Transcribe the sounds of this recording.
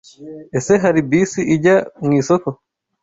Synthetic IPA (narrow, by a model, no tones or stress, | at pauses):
ɛsɛɦaɾibiːsiʔid͡ʒaŋisɔkɔ